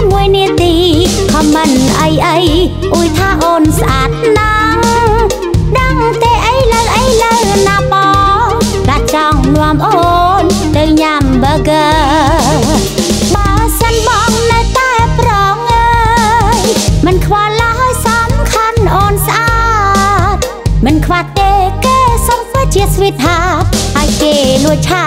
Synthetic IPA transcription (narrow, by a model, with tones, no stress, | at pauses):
mu˧əjni˧ət̪iː˧kʰɑ˧mə˧nʔə˧jʔə˧j | ʔu˧əjt̪ʰaː˧ʔoː˧nsʔa˧˩t̪̚na | ŋ | ɗə˧ŋt̪eː˧ʔə˧jlə˧wʔə˧jləwna˧mɑː˧ | ka˧t̪̚t͡ɕɑ˧ŋnʊ˧əmʔoː˧n | t̪ɨ˧wɲa˧mɓəː˧ɡəː˧ | ɓaːsənɓɑ˧ŋnɨwt̪aɛprɑː˧ŋəːjmɨnkʰʋɑː˧lajsɑmkʰanʔoː˧nsʔa | t̪̚ | mɨnkʰʋaht̪eːkeː˧sompɨt͡ɕiət̪̚sʋit̪̚ɦap̚haɔjkeː˧luəjt͡ɕʰa